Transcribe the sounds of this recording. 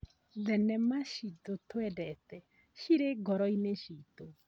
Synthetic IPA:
ðɛnɛmaʃit̪otwɛdɛtɛ | ʃiɾeɡɔɾɔineʃit̪o

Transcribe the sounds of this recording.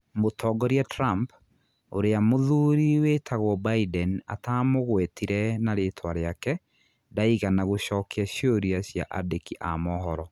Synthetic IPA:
motʰɔɡɔɾiɛtɾamp | oɾeamoðuɾiwetʰaɣwɔbaidɛna̰tamoɣwɛtiɾɛnaɾetʰwaɾeakɛ | daiɣanaɣoɕɔːkeaɕoɾiaɕja̰ʔadekiʔamɔɦɔɾɔ

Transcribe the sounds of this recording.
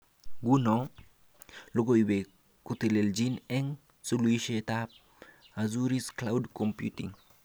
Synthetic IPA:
ɡunɔ | loɡoibe | kutileld͡ʒinɛŋ | suluiʃetap̚ | azuɾisklawdkompjutḭŋ

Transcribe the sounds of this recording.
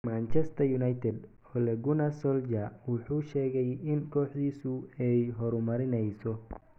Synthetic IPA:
maːnt͡ʃɛst̪ʰɐjʊnajt̪ʰɛd̪ | ɔlɛɡʊnɐsɔld͡ʒɐwʊħuːʃɛːɣɛjɪnkʰɔːħd̪iːsʊɛjɦɔɾʊmɐɾɪnɛjsɔ

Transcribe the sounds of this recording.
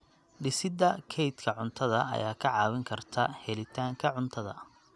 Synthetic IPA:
ɖɪsɪd̪ɐkʰɛjt̪kʰɐʕʊnt̪ʰɐðɐɐ̰jaːkʰɐʕɑːwɪŋkʰɐrt̪ʰɐhɛlɪt̪ʰaːŋkʰɐʕʊnt̪ʰɐðɐ̰

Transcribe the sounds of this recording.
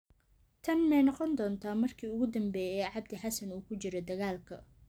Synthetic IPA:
t̪ʰɐnmɛjnɑqɔnd̪ɔːnt̪ʰaːmɐrkʰiːʊɣʊd̪ɐmbɛːjɛjʕɑb̚d̪ɪħɑsɐnuːkʰʊt͡ʃɪɾɔd̪ɐɣaːlkʰɐ̰

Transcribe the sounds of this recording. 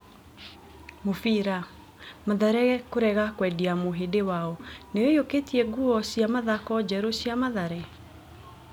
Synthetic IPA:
mofiɾa | maðaɾɛɣɛkoɾɛɣakwɛdiamoɦedewaɔnejojoketiɛɡuɔsiamaðakɔd͡ʑɛɾosjamaðaɾɛ

